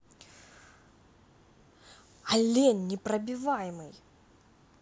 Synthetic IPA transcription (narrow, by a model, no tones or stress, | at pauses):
ɐlʲenʲːɪpɾəbʲɪvajɪmɨj